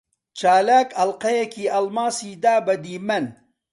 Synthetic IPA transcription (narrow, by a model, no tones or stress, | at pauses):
t͡ʃaːlaːkɐlqɐjɐkʰiɐlmaːsid̪aːbɐd̪iːmɐn